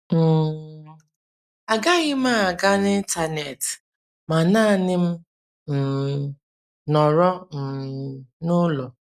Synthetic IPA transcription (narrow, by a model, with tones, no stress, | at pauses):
m̩˨ | a˨ɡa˦ɣɪ˦ma˦a˨ɡa˦n˦ɪ˦n̩˦ta˨ne˨t | ma˨na˦˨nɪ˦m̩˦ | m̩˨ | nɔ˨ɾɔ˦m̩˨nʊ˦lo˨